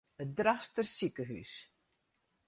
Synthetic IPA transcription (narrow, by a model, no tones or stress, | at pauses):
ət̚drastərsikəɦy̰s